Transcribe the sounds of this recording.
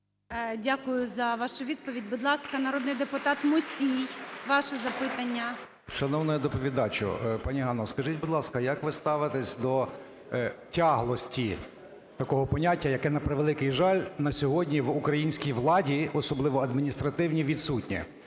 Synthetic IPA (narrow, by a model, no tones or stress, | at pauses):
dʲakʊjʊzɐʋɑʃʊʋʲid̪̚pɔʋʲidʲbʊd̪lˠɑskɐnɐɾɔd̪nɪjd̪epʊt̪ɑt̪mʊsʲijʋɑʃɛzɐpɪt̪ɐnʲːɐ | ʃɐnɔwnɔjɛd̪ɔpɔʋʲid̪ɑt͡ʃɔ̰pɑnʲiɦɑnɔskɐʒitʲbʊd̪lˠɑskɐjɐkʋɪst̪ɑʋɪt̪ɛsʲd̪ɔ | tʲɑɦlˠɔsʲtʲi | t̪ɐkɔɦɔpɔnʲatʲːɐjɐkɛnɐpɾeʋelˠɪkɪjʒɑlʲnɐsʲɔɦɔdʲnʲiʋukɾɐjinʲsʲkʲijʋlˠɑdʲiɔsɔblˠɪʋɔɐd̪mʲinʲist̪ɾɐt̪ɪwnʲiʋʲid̪sutʲnʲḭ